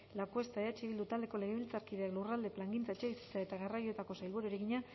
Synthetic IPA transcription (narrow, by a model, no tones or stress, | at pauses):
lakue̞st̪aeat͡ʃiβild̪ut̪ald̪e̞ko̞le̞ɣeβilt͡saɾkiðe̞aklurald̪e̞plaŋɡint͡saet͡ʃe̞βisi̥t͡sae̞t̪aɣarajoe̞t̪ako̞sajlβuɾueɾeɣiɲa